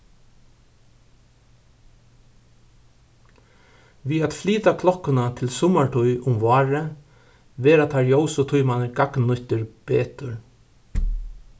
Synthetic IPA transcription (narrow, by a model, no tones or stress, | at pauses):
ʋiːat̪fliːt̪akʰlɔhkːʊnat̪ʰɪlsʊmaɹʈʰujʔʊmʋɑːɹə | ʋeːɾat̪ʰaɹjowsʊt̪ʰʊjmanəɾɡaknːʊht̪ɪɹb̥eːt̪ʊɹ